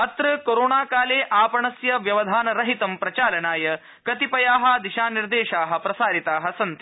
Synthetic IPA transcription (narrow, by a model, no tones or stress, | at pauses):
ɐt̪ɾɐkoːɾoːɳaːkaːleːʔaːpɐɳɐsjɐʋjɐʋɐd̪ʱaːnɐɾɐɦit̪ɐmpɾɐt͡ʃaːlɐnaːjɐ | kɐt̪ipɐjaːɦɐ̆d̪iʃaːniɾd̪eːʃaːɦɐ̆pɾɐsaːɾit̪aːɦɐsɐnt̪i